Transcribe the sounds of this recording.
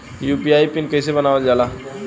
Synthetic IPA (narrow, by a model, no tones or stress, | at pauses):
jupiajpinkəjsebənaʋəld͡ʒala